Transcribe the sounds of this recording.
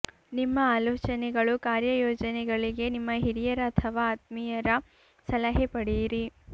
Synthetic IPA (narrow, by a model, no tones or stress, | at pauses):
nimːɐaːloːt͡ʃɐnɛɡɐɭukaːɾjɐjoːd͡ʒɐnɛɡɐɭiɡe̞nimːɐɦiɾijɐɾɐːt̪ʰɐʋaːt̪̚mijɐɾɐ | sɐlɐɦepɐɽiɾi